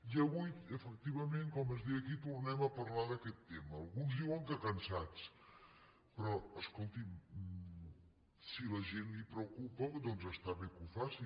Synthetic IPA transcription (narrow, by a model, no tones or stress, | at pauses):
iəβujəfək̚t̪iβ̞əmẽŋkɔməzðiəkit̪urnɛməpəɾlaðəkɛt̪ːeməːlˠɣunzðiwəŋkəkənsat͡s | pɾɔəskolˠt̪i | siləʒenipɾəkupəd̪ɔnzəst̪aβekufasi